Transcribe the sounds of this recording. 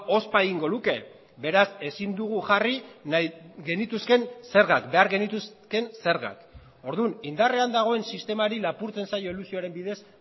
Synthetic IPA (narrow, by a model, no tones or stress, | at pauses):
o̞spaeɣiŋɡo̞ðuke̞ | be̞ɾase̞sind̪uɣ̞uʝari | ɣe̞nit̪uske̞nse̞ɾɣakbe̞aɾɣe̞nit̪uske̞nse̞ɾɣa̰k | o̞ɾðunind̪are̞and̪aɣ̞o̞e̞nsist̪e̞maɾilapuɾt͡se̞nsajo̞ilusioaɾe̞mbiðe̞s